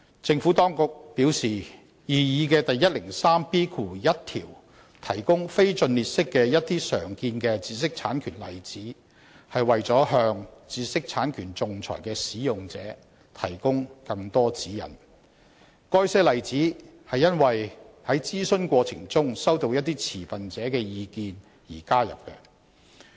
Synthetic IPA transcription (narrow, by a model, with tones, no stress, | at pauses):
t͡sɪ˧ŋfu˨˥t̪ɔː˥ŋkʊ˨k̚piː˨˥wsiː˨ | jiː˨jiː˨˧k̬ɛː˧t̪ɐ˨jːɐ˥t̚lɪ˨˩ŋsaː˥mpiː˥kʰuː˨jɐ˥t̚t̪ʰḭː˨˩w | t̪ʰɐ˨˩jkʊ˥ŋfe˥jt͡sɵ˧nliː˨t̚sɪ˥kːɛː˧jɐ˥t̚t̪iː˥sœ̰ː˨˩ŋkiː˧nkɛː˧t͡siː˧sɪ˥k̚t͡sʰaː˨˥nkʰyː˨˩nlɐ̰˨jt͡siː˨˥ | hɐ˨jwɐ˨jt͡sɔː˨˥ɦœː˧ŋt͡siː˧sɪ˥k̚t͡sʰaː˨˥nkʰyː˨˩nt͡sʊ˨ŋt͡sʰɔ̰ː˨˩jkɛː˧siː˨˥jʊ˨ŋt͡sɛ̰ː˨˥ | t̪ʰɐ̰˨˩jkʊ˥ŋkɐ˧ŋt̪ɔː˥t͡siː˨˥jɐ̰˨˩n | kɔː˥jsɛː˥lɐ˨jt͡siː˨˥hɐ˨jːɐ˥nwɐ˨jhɐ˨˥jt͡siː˥sɵ˥nkʷɔː˧t͡sʰɪ̰˨˩ŋt͡sʊ˥ŋsɐ˥wt̪o˧wjɐ˥t̚t̪ːiː˥t͡sʰiː˨˩fɐ˨nt͡sɛː˨˥kɛː˧jiː˧kiː˧n | jiː˨˩kaː˥jɐ̰˨p̚kɛ˧